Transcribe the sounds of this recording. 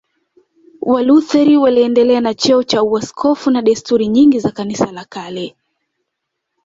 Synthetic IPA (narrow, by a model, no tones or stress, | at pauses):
waluθɛɾiwaliɛndɛlɛanat͡ʃɛɔt͡ʃauaskʰɔfunaɗɛstuɾiɲiŋɡizakanisalakalɛ